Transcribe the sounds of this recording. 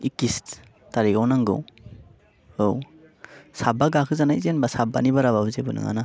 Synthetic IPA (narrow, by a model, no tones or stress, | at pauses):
ikist | taɾikawnaŋɡɯ̰w | ow | sabaɡakʰɯzanajzenbasabanibaɾaβabɯzebɯnɯ̰ŋa̰na